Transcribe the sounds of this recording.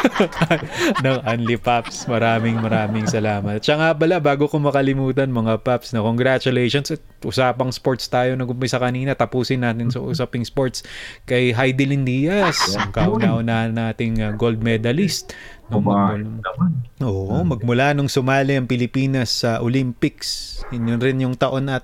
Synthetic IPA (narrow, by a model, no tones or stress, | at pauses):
nɐŋʔɐnlɪpapsmɐɾaːmɪŋmɐɾaːmɪŋsɐlaːmɐt̪̚t͡ʃɐŋapɐlabaːɡokomɐkɐlɪmuːt̪ɐnmɐŋapapsnɐkoŋɡɾat͡ʃʊleʃonsɐt̪̚ | ʔʊsaːpɐŋspoɹt̪st̪aːjo̞nɐɡʊmpɛsɐkɐniːnɐt̪ɐpuːsɪnːaːt̪ɪnsɐʔuːsɐpɪŋspoɹt̪skɐjɦajd̪ɪlɪnd̪iːjɐsɐŋkaʔʊnaːʔʊnaːhɐnaːt̪ɪŋaɡold̪̚mɛd̪ɐlist̪noŋmɐ | ʔoːʔmɐɡ̚mʊlanoŋsʊmaːlɪɐŋpɪlɪpiːnɐsːɐʔolimpɪksɲonɾɪnjʊŋt̪ɐʔo̞nʔɐt̪̚